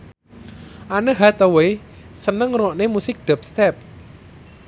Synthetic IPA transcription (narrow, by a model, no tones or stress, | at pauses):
ʔanəɦat̪əwe | sənəŋrɔʔnemusɪk̚d̪̥ɛ̤p̚st̪ɛp̚